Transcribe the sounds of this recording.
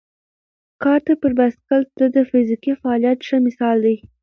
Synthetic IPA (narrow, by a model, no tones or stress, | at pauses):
kɑɾt̪apəɾbaskald̪̥əd̪əfɪzikifaɑlijat̪ʃəmɪsɑld̪aj